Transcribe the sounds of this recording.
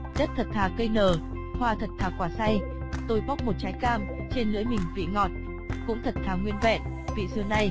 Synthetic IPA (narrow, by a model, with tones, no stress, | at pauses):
zə˦˥t̚t̪ʰə˨˩t̚t̪ʰaː˨˩kə˧jnəː˨˩ | hwaː˧˩t̪ʰə˨˩t̚t̪ʰaː˨˩kwaː˧˩sa˧j | t̪o˧˩jɓa˦˥k͡p̚mo˨˩t̚t͡ɕaː˨˦jkaː˧m | t͡ɕe˧nlɨ̰˧˥əmï˨˩ŋ̟vḭ˧˨ŋɔ̰˧˨n̚ | kʊ̰˧˥ŋ͡mt̪ʰə˨˩t̚t̪ʰaː˨˩ŋwi˧ənvɛ̰˧˨n | vḭ˧˨zɨ˨˧˩əna˧j